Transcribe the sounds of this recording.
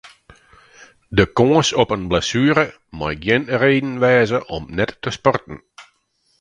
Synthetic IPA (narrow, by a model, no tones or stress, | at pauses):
dəkoəsɔpənblasyːɾə | majɡjɪnreːdn̩ʋɛːzəʔɔmnɛtːəspɔrtən̩